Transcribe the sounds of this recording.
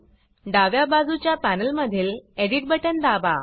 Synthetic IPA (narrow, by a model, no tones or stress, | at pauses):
ɖaʋjabad͡zut͡ɕjapænəlməd̪ʱiːleɽiʈ̚bəʈənd̪aʋa̰